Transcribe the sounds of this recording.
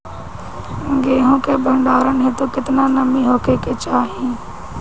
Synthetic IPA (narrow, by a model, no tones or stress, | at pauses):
ɡeːɦõːkebʱə̃ɳɖaːɾənɦẽt̪okɪt̪nanəmiɦoːkeket͡ʃaːɦẽː